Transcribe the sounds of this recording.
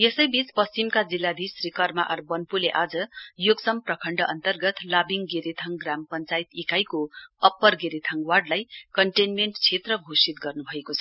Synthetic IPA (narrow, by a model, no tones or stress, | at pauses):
jesʌjbit͡spʌst͡simkad͡zilːad̪ʱisrikʌrma̰ʔʌrbʌnpuleʔad͡zʌjoɡsʌmprʌkʰʌɳɖʌʔʌnt̪ʌrɡʌt̪labiŋɡeɾit̪ʰʌŋɡrampʌnt͡sajt̪ikajkoʌpːʌrɡeɾit̪ʰʌŋwarɖlajkʌɳʈenmeɳʈt͡sʰet̪rʌɡʱosit̪̚ɡʌrnubʱʌekot͡sʰʌ